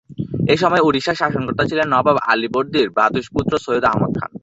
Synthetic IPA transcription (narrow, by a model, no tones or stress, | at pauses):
eʃɔmɔeuɾiʃaʃaʃoŋkoɾt̪ːat͡ɕʰilenːɔbaba̰liboɾd̪iɾbad̪uʃput̪ːɾosojud̪a̰ɦmod̪̚kʰa̰n